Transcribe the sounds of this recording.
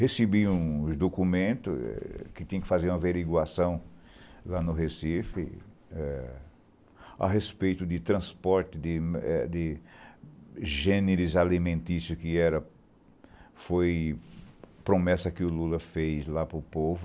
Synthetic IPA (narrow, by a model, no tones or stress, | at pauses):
hesebiũzd̪okumẽnt̪ʊ̰kɪt̪ĩɲɐ̃kɪ̥fazeɾũmɐveɾiɡwasɐ̃w̃ | lanʊɦesifɪ̰ | ɛ | a̰ɦespejt̪ʊd̪ɪt̪ɾɐ̃spɔɾt̪ɪd̪ɪmɛ̰d̪ɪ | ʒẽneɾɪzalimẽnt̪isjʊkɪɛɾɐ | foj | pɾomɛsɐkɪʊlulɐfejzlapɾʊpovʊ